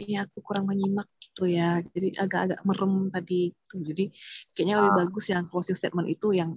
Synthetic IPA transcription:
iniakukuɾaŋməɲimak̚ɡ̥i̥t̪ujad͡ʒadiʔaɡaʔaɡa̰ʔməɾəmt̪adiɡit̪ud͡ʒadikajaʔɲaləbɪhbaɡʊsjaŋkluasɪlst̪et̪̚mənit̪ujaŋ

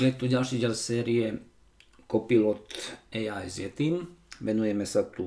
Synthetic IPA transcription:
jɛt̪uɟalʃiːɟɛlsɛːɾiɛ | kɔpilɔt̪ɛajzjɛt̪iːmʋɛnujɛmɛsat̪u

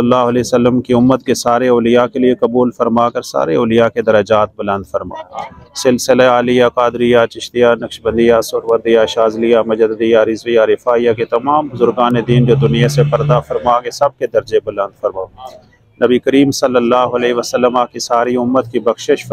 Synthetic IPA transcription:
əlːaːɦʊəleːsəlːəmkiʊmːət̪kesaːɾeoːlijakeliekɐbuːlfɐɾmaːkɐɾsa̰ːɾeoːlɪjaked̪ɐɾəd͡ʒaːt̪̚bɐlə̃nd̪fɐɾma̰ːsɪlsɪleaːlijakaːd̪ɾɪjat͡ʃɪʃt̪ijanɐkʃbɐ̃nd̪ijasʊɾʋɐɾd̪ijaʃaːzlijamɐd͡ʒəd̪d̪ijaɾɪzʋijaɾɪfaːijaket̪ɐmaːmbʊzʊɾɡaːned̪iːnd͡ʒod̪ʊnijasepɐɾd̪afɐɾmaːkesɐb̚ked̪ɐɾd͡ʒebɐlə̃nd̪fɐɾmaː | nɐbikɐɾiːmsɐlːəlːaːɦʊɐleːʋəsəlːəmakisaːɾiʊmːət̪kibɐxʃɪʃ

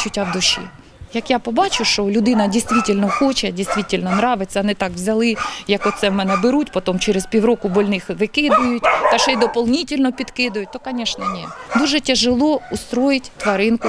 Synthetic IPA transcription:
t͡ʃʊtʲːawd̪ʊʃʲḭ | jɐkjapɔbɑt͡ʃʊʃt͡ʃɔlʲʊd̪ɪnɐdʲijst̪ʋʲitʲɪlʲnɔxɔt͡ʃɛdʲijst̪ʋʲitʲɪlʲnɔnɾɑʋɪt͡sʲːɐɐnɪt̪ɑkʋzʲɐlˠɪjɐkɔt̪sɛmɛnɛbɪɾutʲpɔt̪ɔmt͡ʃɛɾɪspʲiwɾɔkʊbɔlʲnɪxʋɪkɪd̪ʊjʊtʲt̪ɐʃɛjd̪ɔpɔlˠnʲitʲilʲnɔpʲid̪kɪd̪ʊjʊt̪ɔkɐnʲɛʃnɛnʲɛd̪uʒɛtʲɛʒɪlˠɔʊst̪ɾojɪtʲt̪ʋɐɾɪnkʊ

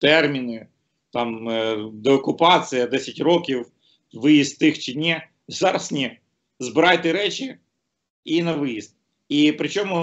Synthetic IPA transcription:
t̪ɛrmʲinɪ | t̪ɑmd̪ɛɔkʊpɑt͡sʲijɐd̪ɛsʲɐtʲrɔkʲiw | ʋɪjist̪ːɪxt͡ʃɪnʲɛ | zɑɾɐsnʲɛ | zbɪɾɑjt̪ɪɾɛt͡ʃʲi | inɐʋɪjist̪ | ipɾɪt͡ʃɔmʊ

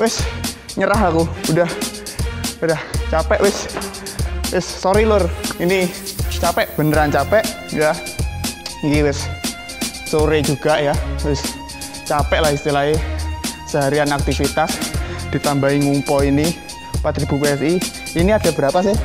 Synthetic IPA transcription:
wɪsɲəɾaɦakuudah | udaht͡ʃapɛʔwɪs | wɪsːoɾilʊrinit͡ʃapɛʔb̥ə̤nəɾant͡ʃapɛʔ | ja | kiwɪsː | oɾed͡ʒuɡ̥a̤ʔjawɪs | t͡ʃapɛʔlahist̪ilaɦe | səɦaɾianak̚t̪ifit̪asd̪̥i̤t̪ambaiŋumpɔini | pat̪ɾib̥upeɛsi | iniad̥ab̥əɾapasɪh

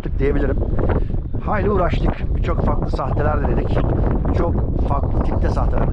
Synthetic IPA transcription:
t̪ʰɯk̚d̪eje̞bilʲiɾim | haːjlʲiuːɾaʃlˠɯkbit͡ʃʰo̞kfaklˠɯsaht̪ʰelʲæɾd̪elʲeɾicbit͡ʃʰo̞kfaklˠɯt̪ʰip̚t̪ʰʲɛsaht̪ʰelʲæɾ

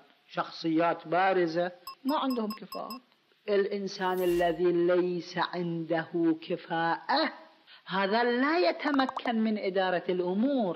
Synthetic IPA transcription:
ʃɑxsˤɨjːaːt̪baːɾɪzamaʕɪnd̪hʊmkɪfa̰ːʔa | ʔɪlʔɪnsaːnalːaðiːlajsaʕɪnd̪ahʊkʰɪfaːʔa | haːðalaːjat̪amakʰːanmɪnʔɪd̪ɑːɾˤɑlʔʊmuːɾ

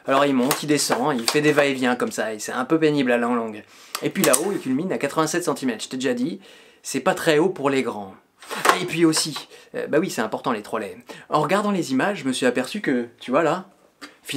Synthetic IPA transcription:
alɔʁilmɔ̃t̪ʰild̪esɑ̃ilfɛd̪evaevjɛ̃kɔmsaesɛɛ̃pøpeniblalɑ̃ɡlɔ̃ɡ | epɥilaoilkʲylminakat̪χəvɛ̃sɛt̪sɑ̃t̪imɛt̪χʒ̥ə̥t̪ad̪eʒad̪i | sɛpat̪χɛopuʁleɡʁɑ̃ | epɥiosiø̰bawisɛt̪ɛ̃pɔʁt̪ɑ̃let̪χɔlɛɑ̃ʁəɡaʁd̪ɑ̃lezimaʒːʒəməsɥiapɛʁsykət̪yvwala | fi

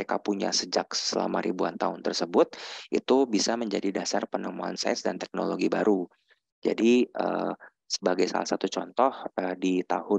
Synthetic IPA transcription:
ekapuɲa̰səd͡ʒak̚ssəla̰maɾibua̰nt̪aʊnt̪ərsəbʊt̪̚ʔḭt̪ubisaməɲd͡ʒadidasarpənəmua̰nsa̰sdant̪ɛk̚noloɡibaɾu | d͡ʒa̰diʔə̰ | səbaɡajsa̰la̰hsat̪ut͡ʃɔnt̪ɔhədit̪ahʊ

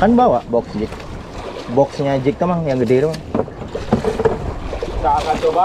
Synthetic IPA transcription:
kanbawaʔbɔksd͡ʒɪk̚ | bɔksɲad͡ʒɪk̚t̪əmaŋjaŋɡədeɾmaŋ | saŋatoba

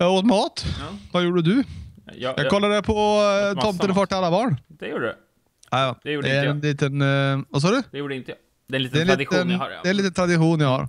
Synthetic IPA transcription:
ot̪mɑːt̪vɑjuːɖəd̪ʉ | jɑɡkalːaɖɛpʰɔt̪ʰɔmt̪ənfɑːʈːɪlalːabɑːɳdɛuː | ɑːjɑd̪ɛæɾɛnliːt̪ənvɑs̬ɑːɖɵj̪t̪ː | ɛɛniːənɛniːt̪ənt̪ɾad̪ɪɧuːnjahɑ̰ɾ

